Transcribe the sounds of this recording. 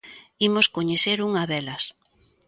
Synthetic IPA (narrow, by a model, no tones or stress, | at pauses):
imoskoɲeθeɾuŋɐðɛlɐs